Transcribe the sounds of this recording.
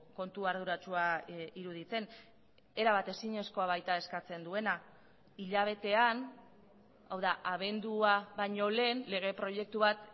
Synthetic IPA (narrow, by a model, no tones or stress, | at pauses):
ko̞nt̪uaɾð̞uɾat͡ʃuaiɾuð̞it͡se̞n | e̞ɾaβat̪e̞siɲe̞sko̞aβajt̪ae̞skat͡se̞nd̪ue̞na | iʎaβ̞e̞t̪e̞an | awðaʔaβ̞e̞nd̪uaβaɲo̞le̞ːnle̞ɣ̞e̞pɾo̞je̞k̚t̪uβat̪